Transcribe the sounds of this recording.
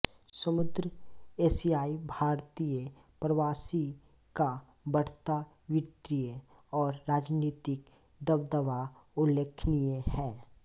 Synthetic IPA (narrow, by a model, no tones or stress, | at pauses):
səmʊd̪ɾəeːsiaːibʱaːɾt̪ijə | pɾəʋaːsi | ka | bəɽ̤t̪a | wɪt̪ɾijə | ɔːɾːaːd͡ʒniːt̪ɪk̚ | d̪əbd̪əʋaʊlːeːkʰnijehɛː